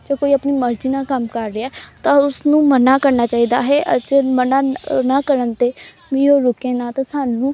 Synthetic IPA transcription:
d͡ʒeːkoːiːəpniːməɾd͡ʒiːnãːkəmkəɾːeaːt̪ãːʊsnũːmənaːkəɾnaːt͡ʃaːiːd̪aːɦɛːʔd͡ʒemənaːnaːkəɾənt̪eː | mĩːoːɾʊkẽːnaːt̪ãːsaːnũː

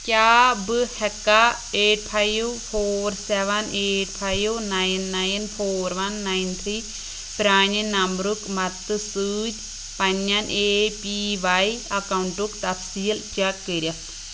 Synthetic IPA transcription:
kʲjaːbɨhɛkːa | eːʈ̚pʰajʋpʰoːɾsɛʋɐneːʈ̚pʰajwnajinːajinpʰoːɾʋɐnːaint̪ʰɾi | pɾaːninɐmɾukmɐt̪ːɨsɨːd͡ʒʲ | pɐɲɐnʔeːpiʋaiɐkɐuɳʈukt̪ɐfsiːlt͡ʃɛkːəɾʲɐ

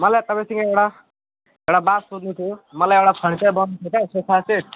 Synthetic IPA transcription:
mʌlajt̪ʌpãj̃sʌŋɡʌewɽa | ewɽabasod̪nut̪ʰjomʌlajewɽapʰʌɽ̃it͡sʌjbʌnnut̪ʰut͡sasosʰase

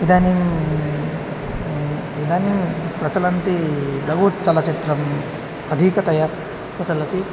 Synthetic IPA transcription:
id̪anim | id̪animpɾɐt͡sɐlɐnt̪ibɐɡut͡sɐlat͡ʃit̪ɾɐm | ɐd̪ʱikɐt̪ɐja | pɐsɐlɐt̪i

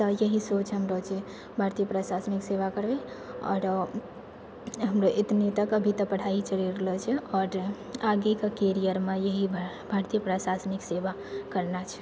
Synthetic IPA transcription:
t̪əjəɦisot͡ʃʰɦəmɾət͡ʃʰe | bʱaɾt̪ijəpɾasasnikseʋakəɾbe | ɔ̰ɾ | ɦəmɾoʔet̪net̪əkəbʱit̪əpəɽ̤ait͡ʃəɾiɾlət͡ʃʰɛɔːɾ | aɡekəkeɾijəɾmejəɦi | bʱaɾt̪ijəpɾasasnikseʋa | kəɾnat͡ʃʰ

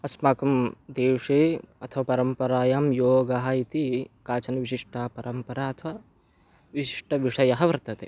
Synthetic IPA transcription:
ɐsmaːkɐmd̪eːʂeːɐt̪ʰɐʋɐpɐɾɐmpɐɾaːjaːmjoːɡaɦɐit̪ikaːt͡ʃɐnɐʋiʃiʂʈaːpɐɾʔɐmpɐɾaːɐt̪ʰɐʋɐ | ʋiʃiʂʈʰɐʋiʂɐjɐɦɐʋɐɾt̪ɐt̪ḛː

